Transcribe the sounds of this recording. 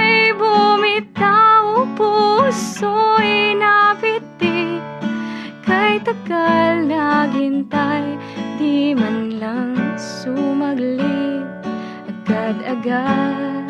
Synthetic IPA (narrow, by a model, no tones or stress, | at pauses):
jbumɪt̪ːaopusoinapɪt̪ːi | kɐjt̪ɐɡalnɐbɪnt̪ajd̪imɐnlɐŋsumɐɡli | ʔɐɡad̪ɐɡa